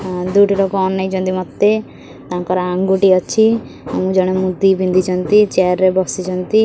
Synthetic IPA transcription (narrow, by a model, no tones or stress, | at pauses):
d̪uʈilokɔɔnːajt͡ʃʰɔnt̪̬imɔt̪ːe | t̪aãŋkɔɾaaŋɡuʈiɔt͡ʃʰi | a̰mũd͡ʒɔɽ̃emud̪ːibind̪ʱit͡ʃʰɔnt̪it͡ʃɛɾːebɔsit͡ʃʰɔnt̪i